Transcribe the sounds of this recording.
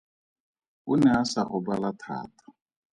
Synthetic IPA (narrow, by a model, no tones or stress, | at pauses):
unɛasaʔɔbalat̪ʰa̰ːt̪ʰḁ